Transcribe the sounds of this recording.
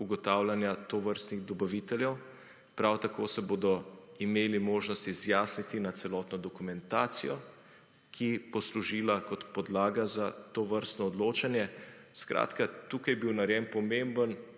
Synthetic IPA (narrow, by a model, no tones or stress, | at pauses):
uɡɔt̪awlanjat̪oʋəɾst̪niɣd̪ɔbaʋit̪ɛljɛw | pɾawt̪akoːsɛboːd̪ɔimeːlimoːʒnɔst̪izjaːsnit̪inat̪sɛlɔːt̪nɔd̪ɔkumɛnt̪aːt̪sijɔ | kʰipɔsluʒiːlakɔt̪pɔd̪laːɡazat̪oʋəɾst̪nɔːd̪loːt͡ʃanjɛ | skɾʔa̰ːt̪kat̪uːkajbiwnaɾjɛnpɔmembən